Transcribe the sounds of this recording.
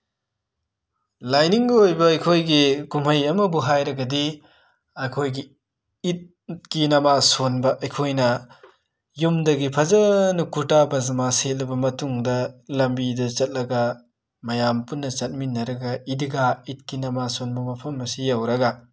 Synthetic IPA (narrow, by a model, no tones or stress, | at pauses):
lajniŋɡojbɐːjkʰojɡikumhɐjɐmɐbuɦajɾɐɡɐdi | ɐjkʰojɡiː | t̚ | kinɐmasonbɐʔɐjkʰojnɐ | jumdɐɡipʰɐzɐnukuɾtabɐzɐmaset̚lɐbɐmɐtuŋdɐlɐmbidɐt͡ʃɐt̚lɐɡɐ | mɐjampunːɐt͡ʃɐt̚minːɐɾɐɡɐidiɡait̚kinɐmasonbɐmɐpʰɐmːɐsijɐwɾɐɡɐ